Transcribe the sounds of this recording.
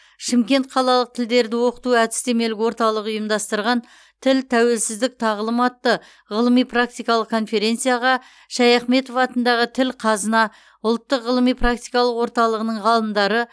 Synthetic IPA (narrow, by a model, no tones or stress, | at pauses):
ʃɪmkʲe̞nt̪̚qʰɑlˠɑlˠəq̚t̪ʰɪld̪e̞ɾd̪ɪwo̞qə̥t̪uæd̪ɪ̥st̪e̞me̞lɪkwo̞ɾt̪ɑlˠəqʊjəmd̪ɑst̪əɾʁɑn | t̪ʰɪlt̪ʰæwe̞lsɪzd̪ɪk̚t̪ʰɑʁlˠəmɑt̪ːə | ʁəlˠəmijprak̚t̪ijkɑlˠəqkʰo̞nfe̞ɾe̞nt̪sɨjaʁɑ | ʃɑjɑχme̞t̪ofɑt̪ənd̪ɑʁət̪ʰɪlqʰɑzənɑ | ʊlˠt̪ːəqʁəlˠəmijprak̚t̪ijkɑlˠəqwo̞ɾt̪ɑlˠəʁənəɴʁɑlˠəmd̪ɑɾə